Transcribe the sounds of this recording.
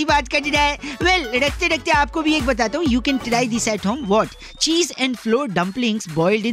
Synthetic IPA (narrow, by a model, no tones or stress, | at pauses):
ibaːt̪kɐɾid͡ʒaːeʋɛlɾɐk̚ʰt̪eɖɐk̚ʰt̪eaːp̚kobʱieːk̚bɐt̪aːt̪aɦũjuːkɛ̃ːnʈɪɾaːɪd̪ɪsɛːʈɦõːmʋɔːʈ | t͡ʃiːzɛ̃ːɳɖfloːɾɖɐ̃mplɪ̃ŋɡsbɔːɪlɖɪ̃